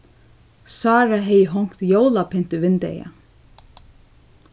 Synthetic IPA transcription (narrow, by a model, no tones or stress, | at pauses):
sɑːɾaɦɛjəɦɔŋ̥kt̪joːwlapʰɪn̥t̪ʏvɪnt̪ɛ̰ja̰